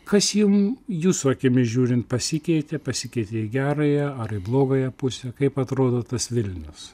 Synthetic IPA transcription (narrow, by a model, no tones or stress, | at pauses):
kɐsjɪmjuːsʊɐkʲɪmʲɪʒʲuːɾʲɪnt̪̚pɐsʲɪkʲɛɪt̪ʲepɐsʲɪkʲɛɪt̪ʲeɪɡʲæːɾɐjɛɐɾɪblˠoːɡɐjɛpʊsʲɛkɐɪpɐt̪ɾoːd̪oːt̪ɐsʋʲɪlʲnʲʊs